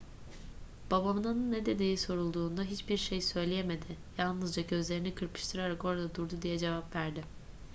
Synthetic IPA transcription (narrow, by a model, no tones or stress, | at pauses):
b̥abamɯnanɯnːed̪e̞d̪iːiso̞ɾulˠd̪uːnd̪aɦit͡ʃbiɾʃejsø̞jlʲejeme̞d̪ɪjalˠnɯzd͡ʒaɟø̞zlʲe̞ɾinikʰɯɾpʰɯ̥ʃt̪ʰɯɾaɾako̞ɾad̪ad̪uɾd̪ud̪ijɛd͡ʒe̞vapvæɾd̪ɪ